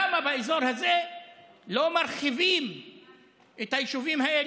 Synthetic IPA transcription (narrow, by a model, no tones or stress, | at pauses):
amabaezoɾhazelo̞maɾχivim | et̪hajiʃuvimɦaʔel